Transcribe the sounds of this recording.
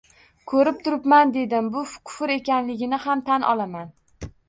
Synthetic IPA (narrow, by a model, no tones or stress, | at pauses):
kʰɵɾɪp̚t̪ʰʊɾɪpmand̪e̞d̪ɪmbʊfkʰʊ̥fɪɾe̞kʲanlɪɡʲɪnɪhamt̪ʰanʔɒ̰lˠaman